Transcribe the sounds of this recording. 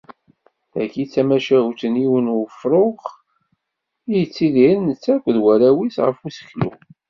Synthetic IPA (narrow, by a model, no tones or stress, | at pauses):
ækːit͡sːæmæʃæut̪əniwənufɾˤoχ | ijət͡sːiðinnət͡sːækʷːðwæɾæwisʁəfusə̥çlṵ